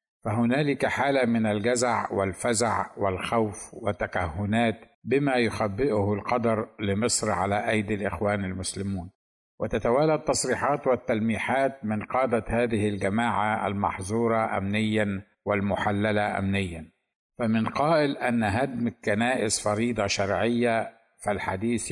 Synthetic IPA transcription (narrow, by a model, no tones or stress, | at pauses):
faɦʊnaːlɪkaħaːlamɪnalɡazaʕwɪlfazaʕwɪlxawfwɪt̪ːakahːʊnaːt̪ | bɪmajʊxabːɪʔʊhʊlqɑd̪ɑɾˤlɪmɨsˤɾʕalaʔajd̪alʔɪ̰xwaːnɪlmʊslɪmuːn | wʔɪt̪at̪awaːlat̪ːɑsˤɾiːħɑːt̪wɪt̪ːalmiːħaːt̪̚mɪnqɑːd̪ahaːðɪhɪlɡamaːʕaa̰lmɑ̰ħzˤuːɾˤɑʔa̰mnɪjːan | wɪlmʊħalːalaʔa̰mnɪjːan | famɪnqɑːʔɪlʔanːɦad̪mkːanaːʔɪsfɑɾiːd̪ˤɑʃɑɾˤʕɪjːa | fɪlħa̰d̪iːθ